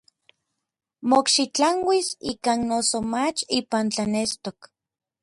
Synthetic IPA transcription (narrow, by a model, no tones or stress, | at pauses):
mokʃit͡ɬaŋwisiːkaːnnosomat͡ʃiːpant͡ɬanest̪ok